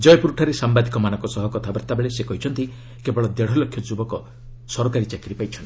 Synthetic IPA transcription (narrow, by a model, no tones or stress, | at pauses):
d͡ʒɔjpuɾuʈʰaɾesambad̪ʱikɔmanɔŋkɔsɔɦɔkɔt̪ʰabaɾt̪abeɭesekɔɦit͡ʃʰɔnt̪i | kebɔɭɔd̪eɽ̤ɔlɔkʰːjɔd͡ʒubɔkɔ | sɔɾɔkaɾit͡ʃakiɾipajt͡ʃʰɔnt̪i̥